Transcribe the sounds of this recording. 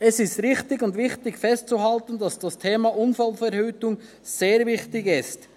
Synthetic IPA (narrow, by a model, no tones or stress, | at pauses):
ɛsɪstʁɪχtɪɡʊndvɪχtɪɡfɛst̚t͡suɦaltən̩dɑsd̥ɑstʰeːmɑʔʊnfalfɛɾhyːtʊŋ | seːɾvɪχtɪɡɪst